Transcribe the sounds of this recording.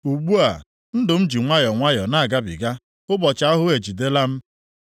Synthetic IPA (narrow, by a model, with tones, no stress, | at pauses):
u˨ɡ͡bu˦a̰˨ | n̩˦dʊ˨m̩˦d͡ʒi˨ŋʷa˦jɔ˨ŋʷa˦jɔ˨na˦a˨ɡa˦bɪ̰˨ɡa˦ | ʊ˦bɔ˨t͡ʃa˦a˦ɦʊ˦e˨d͡ʒi˨de˦la˦m̩˦